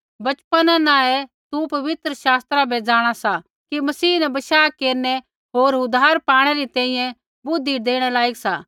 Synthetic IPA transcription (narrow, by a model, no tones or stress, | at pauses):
bɐt͡ʃpənãnaɛ | t̪upɐʋɪt̪ɾəʃaːst̪ɾabʱɛd͡ʒaːɽ̃asa | kimɐsiːnɛbɐʃaːkeːɾnɛ | ɦoːɾʊd̪ʱaːɾpaːɽ̃ɛɾit̪ɛ̃ːĩjɛ̃ | bʊd̪ʱːiːd̪eːɽ̃ɛlaːiɡsa̰